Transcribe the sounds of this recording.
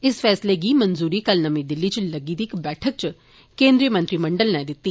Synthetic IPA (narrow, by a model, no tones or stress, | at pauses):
ɪsfʰɛːsleːɡiːmənzuːɾiːkəlnəmĩːd̪ɪlːiːt͡ʃləɡiːd̪iːkbɛːʈʰək̚t͡ʃ | kẽːnd̪ɾijəmə̃nt̪ɾiːmə̃ɳɖəlnɛːd̪ɪt̪ːiː